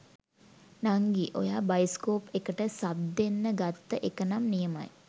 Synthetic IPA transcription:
naŋɡiʔo̰jaːbajiskoːpekəʈəsabd̪enːəɡat̪ːəʔekənamnijəma̰j

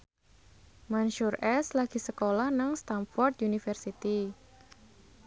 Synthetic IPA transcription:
manʃʊrʔɛslaɡ̥i̤səkolahnaŋst̪amfɔrt̪junifərsit̪i

